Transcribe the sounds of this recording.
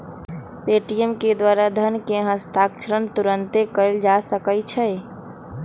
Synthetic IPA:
peʈijəmked̪waɾad̪ʱənkeɦə̃st̪ʰakʃʰəɾənt̪uɾənt̪ekəld͡ʒasəkəjt͡ʃʰɛ

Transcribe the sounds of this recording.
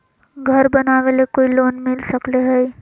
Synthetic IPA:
ɡʱɐɾbɐnaːʋelekoːiloːnmɪlsɐkleɦɛi

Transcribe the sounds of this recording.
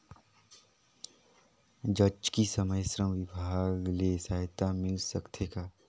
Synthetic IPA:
d͡ʒəd͡ʒkisəməjsɾə̃mʋɪbʱaːɡlesaɦɪt̪amɪlsəkt̪ʰeka

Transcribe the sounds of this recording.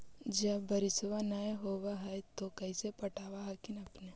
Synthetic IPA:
d͡ʒɐbɐɾɪsʋanaeɦoːwaɦɛt̪okɐisepɐʈʰaːwaɦɛkɪnɐpne

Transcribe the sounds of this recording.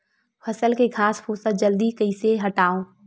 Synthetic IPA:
fʰɐsəlkekʰaːsfʰuːsəd͡ʒəld̪ikəiseɦɐʈaːõː

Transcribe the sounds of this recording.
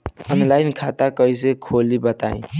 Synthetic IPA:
ənlajnkʰat̪akəjs̬ekʰolibət̪a̰ĩ

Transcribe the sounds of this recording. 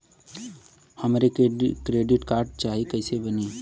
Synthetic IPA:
hɐmaɾekɾeːɖɪʈkaːɾɖ̚t͡ʃaːɦikɐːsebɐniː

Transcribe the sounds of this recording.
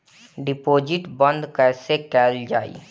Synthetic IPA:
ɖɪpoːd͡ʒɪʈbə̃nd̪kɛsekɛːld͡ʒaːḭ

